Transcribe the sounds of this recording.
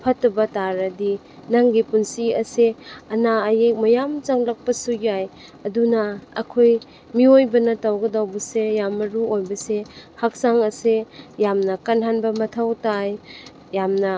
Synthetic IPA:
pʰɐtːɐbɐtaɾɐdi | naŋɡipunsiɐseɐnaːjek̚mɐjamt͡ʃaŋlɐk̚pɐsuɡjaj | ɐdunɐɐ̰kʰoj | miojbɐnɐtawɡɐdawbɐsejamːɐɾuojbɐsehak̚saŋɐsejamnɐkanɦanbɐmɐtʰawtaj | jamnɐ

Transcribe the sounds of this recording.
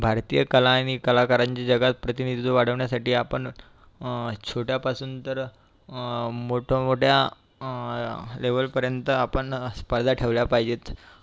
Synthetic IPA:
bʱaɾt̪iːjəkəlaːñikəlakəɾaɲt͡ɕad͡ʑəɡat̪̚pɾət̪inid̪ʱid̪uʋaɽ̤əʋɳjasaʈiːapəɳ | t͡ɕʰoʈjapasuːnt̪əɾ | moʈʰomoʈʰja | leʋəlpəɾjənt̪əapəɳspəɾd̪ʱaʈʰeʋljapaɦjd͡ʑet̪

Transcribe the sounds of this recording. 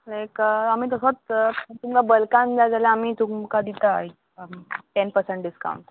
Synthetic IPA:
lajkəam̤iːt̪əsot͡st̪umkabəlkãnd͡zajd͡zaljaamiːt̪umkad̪it̪aik̚ | ʈɛnpəɾsẽɳʈɖiska̰wɳʈ

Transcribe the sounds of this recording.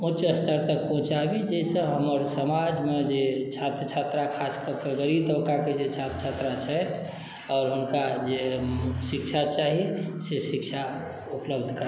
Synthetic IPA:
ut͡ʃəst̪ʰəɾt̪ək̚pɔɦũt͡ʃabid͡ʒɛsə̃ɦəməɾsəmad͡ʒmed͡ʒet͡ʃʰat̪ɾət͡ʃʰat̪ɾakʰaskəkeɡəɾit̪əbkaked͡ʒet͡ʃʰat̪ət͡ʃʰat̪ɾat͡ʃʰəjt̪ʰ | ɔːɾɦunkad͡ʒesikt͡ʃʰat͡ʃaɦisesikt͡ʃʰa | upləbd̪ʱkəɾ

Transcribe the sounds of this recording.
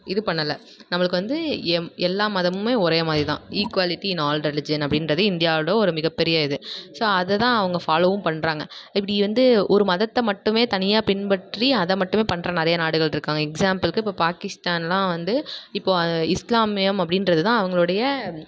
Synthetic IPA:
ɪðɯpɐɳːɐlːɐ | nɐmɐɭɯkːɯʋɐnd̪ɯɛɛlːaːmɐðɐmɯmeːɔɾeːmaːðɾit̪ãːiːkʋaːlɪʈːiɪnaːlɾɛlɪd͡ʒɐnɐp̬ːɽɪnɾɐðɯɪnd̪ɪjaːɽɐjɐɔɾɯmɪɣɐpːɛɾɪjɐɪðɯsoːɐðɛt̪ãːɐʋɐŋɡɐfaːloːʋɯmpɐɳːɾaːŋɡɐɪpːɐɽiʋɐnd̪ɯɔɾɯmɐðɐt̪ːɐmɐʈːɯmeːt̪ɐnɪjaːpɪnbɐʈɾiɐðɐmɐʈːɯmeːpɐɳːɾɐnɛɾɐjɐnaːɽɯɣɐɭɪɾɯkːaːŋɡɐɛksaːmpɐlkɯɪpːoːpaːkɪst̪aːnɛlãːʋɐnd̪ɯɪpːoːɪslaːmɪjɐmɐp̬ːɽɪnɾɐðɯt̪ãːɐʋɐŋɡɐɭɯɽɐjɐ

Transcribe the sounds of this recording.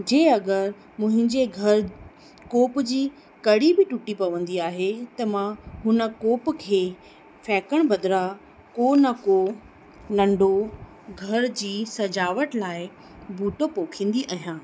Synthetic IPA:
d͡ʑeːɐɡəɾ | mʊ̃ɦɪ̃ɲd͡ʑeɡʱɐɾ | koːpd͡ʑiː | kɐɽibɪʈʊʈipɐʋə̃nd̪iaːɦet̪ɐmãɦʊnə̆koːpkʰeː | fɛːkəɽ̃bɐd̪ɾa | konɐko | nɐ̃ɳɖo | ɡʱɐɾd͡ʑiːsɐd͡ʑaːʋəʈlaːɪ | bʱuːʈopoːkʰĩːn̆d̪iʔɐɦijãː

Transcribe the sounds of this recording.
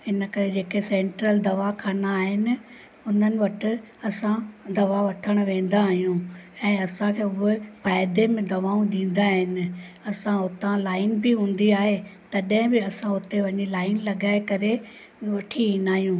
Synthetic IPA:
ɪnə̆kɐɾed͡ʑeːkesẽːɳʈɾəld̪ɐʋakʰaːnaːɦɪnɪ̆ | ʊn̤ənɪ̆ʋɐʈʰɪ̆ | ɐsãd̪ɐʋaʋɐʈʰəɽ̃ʊ̆ʋẽːn̆d̪aːɦijũɛ̃ːɐsãkʰeʊɦepaːɪd̪emẽd̪ɐʋaːũɗ̪ĩːn̆d̪aːɦɪnɪ̆ | ɐsãʊt̪ãlaːɪnbɪɦũːn̆d̪iaːɦet̪ɐɗ̃ɦɪ̃bɪɐsãʊt̪eʋɐɲilaːɪnlɐɠaːɪkɐɾe | ʋɐʈʰiĩːnaːɦijũː

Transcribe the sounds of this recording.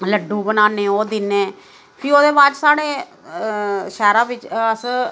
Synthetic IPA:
ləɖũːbənaːneːoːd̪ɪnẽː | pʰiːoːd̪eːbaːd͡ʒsaːɽeː | ʃɛːɾãːʋɪt͡ʃəs

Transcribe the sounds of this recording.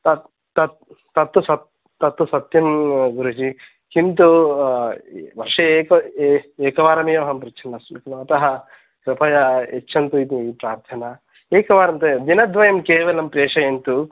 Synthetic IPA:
t̪ɐ | t̪ɐt̪ | t̪ɐt̪ːusɐt̪ː | ɐt̪ːusɐt̪jɐmɡuɾut͡ʃi | kint̪u | ʋɐɾʂɐeːkɐeːkɐʋaːɾɐmjoːɦɐmpɾit͡ʃʰɐnɐsmik̪imɐt̪ɐɦɐ | kɾɐpʰɐjɐet͡ʃːʃʰɐnt̪uit̪ipɾaːɾt̪ʰɐnɐ | eːkɐʋaːɾɐmt̪ɐd̪inɐd̪ʋɐjɐmkeːʋɐlɐmpɾeːʂɐjɐnt̪u

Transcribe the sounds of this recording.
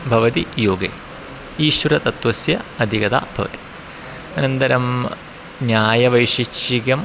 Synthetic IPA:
bʱɐʋɐt̪ijoːɡḛː | iːʃʋɐɾɐt̪ɐt̪ʋɐsjɐɐd̪ʱikɐt̪a̰ːbʱɐʋɐ̰t̪i̥ | ɐnɐnt̪ɐɾɐm | njaːjɐʋɐjʂiʃiɡjɐm

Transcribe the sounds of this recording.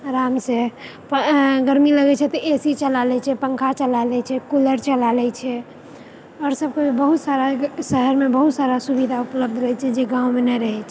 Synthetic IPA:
ɾamse | pɡəɾmiləɡɛt͡ʃʰɛt̪ɔʔesit͡ʃəlalɛt͡ʃʰɛpəŋkʰat͡ʃəlalɛt͡ʃʰɛkuləɾt͡ʃəlalɛt͡ʃʰɛ | ɔːɾsəb̚keibəɦut̪saɾasəɦəɾmebəɦut̪saɾasubid̪ʱaupləb̚d̪ʱɾɛt͡ʃʰɛd͡ʒeɡãwmenɛɾəɦɛt͡ʃʰ

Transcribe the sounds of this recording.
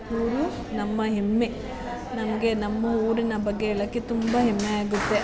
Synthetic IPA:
puːɾu | nɐmːɐɦemːe | nɐmɐɡe̞nɐmːɐuːɾinɐbɐɡːe̞ːɭɐkːit̪umbɐɦemːeaːɡut̪ːe̞

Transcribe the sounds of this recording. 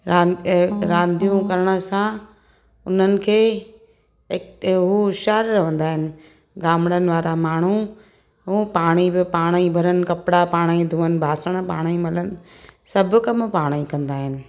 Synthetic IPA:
ɾaːɾãːnd̪ʱijũkɐɾəɽ̃ə̆sã | ʊn̤ənɪ̆kʰeː | kɦuʃaːɾɾɐʋ̤ə̃nd̪aːɦɪnɪ̆ | ɡaːmɪɽənɪ̆ʋaːɾamaːɽ̤̃u | ɦuːpaːɽ̃ibɪpaːɽ̃ibʱɐɾənɪ̆kɐpɪɽapaːɽ̃id̪ʱũːənɪ̆bʱaːsəɽ̃paːɽ̃imɐlənɪ̆ | sɐbʱʊkɐmpaːɽ̃ikɐ̃nd̪aːɦɪnɪ̆

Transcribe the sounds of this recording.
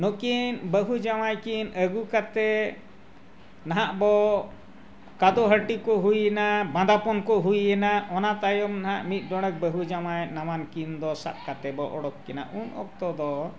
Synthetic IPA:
nokinbəɦud͡ʒamajkinəɡukat̪ɛ | naɦaʔbɔ | kad̪ɔɦəʈikɔʔɦujɛnabãd̪apɔnkɔʔɦujɛnaɔnat̪ajɔmnaɦaʔmit̪̚ˀɖɔɽ̃ək̚bəɦud͡ʒamajnamankind̪ɔsa̰t̪̚kat̪ɛbɔʔɔɽɔkːɛna̰ʔunɔk̚t̪ɔd̪ɔ

